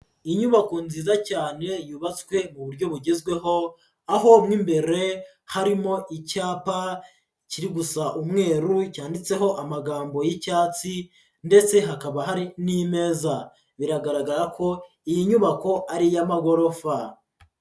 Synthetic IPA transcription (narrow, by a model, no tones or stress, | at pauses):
iɲuβako̞nziːzacaːne̞juːβat͡swe̞muβuɾɟo̞βuɟezɡwe̞ɦo̞ | aɦo̞mŋimbe̞ɾe̞ | haɾimo̞ʔicaːpa | ciɾiɡusaʔumŋe̞ːɾucaːndit͡se̞ɦo̞ʔamaɡaːmbo̞jicaːt͡si | nde̞t͡se̞ɦakaβaɦaɾinime̞ːza | βiɾaɡaɾaɡaɾakʰo̞ | ijiɲuβako̞ʔaɾijamaɡo̞ɾo̞fa